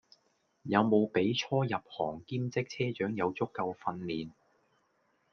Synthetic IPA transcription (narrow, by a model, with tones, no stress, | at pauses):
jɐ˨˧wmo˨˧wpe˨˥jt͡sʰɔː˥jɐ˨p̚hɔː˨˩ŋkiː˥mt͡sɪ˥k̚t͡sʰɛː˥t͡ʃœː˨˥ŋjɐ˨˧wt͡sʊ˥kːɐ˧wfɐ˧nliː˨˩n